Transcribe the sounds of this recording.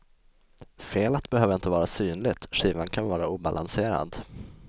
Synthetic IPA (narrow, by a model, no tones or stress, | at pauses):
feːlat̪bɛhøːvəɾɪnt̪əvɑːɾasyːnlɪt̪ɧiːvankʰanvɑːɾauːba̰lʔanseːɾa̰d̪